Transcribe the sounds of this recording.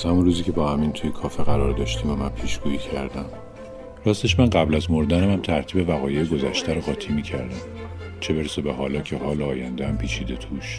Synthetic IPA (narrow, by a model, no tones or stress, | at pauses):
z̥hæmunruːziːcʲʰe̞bɒːhæmint̪ʰujekʰɒːfeɣæɾɒːɾd̪ɒːʃt̪ʰiːmæmænpʰiːʃɡ̥uːiːcʰæɾd̪æm | ɾæst̪eʃmænɢæblæzmo̞ɾd̪ænemæmt̪ʰæɾt̪ʰiːbe̞væɣɒːjejeɡo̞zæʃt̪ʰæɾoɣɒːt̪ʰimiːcʰæɾd̪æm | t͡ʃʰe̞beɾsebeɦɒːlɒːcʰe̞ɦɒːleɒːjænd̪eæmpʰiːt͡ʃʰiːd̪e̞t̪ʰuːʃ